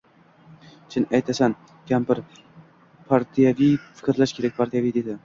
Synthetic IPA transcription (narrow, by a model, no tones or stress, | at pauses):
t͡ʃʰɪnajt̪ʰasan | kʲʰampɪɾ | pʰaɾt̪ʰijavifɪ̥kʲɾlaʃkʲʰe̞ɾak̚ʲpʰaɾt̪ʰijavijd̪ed̪ɪ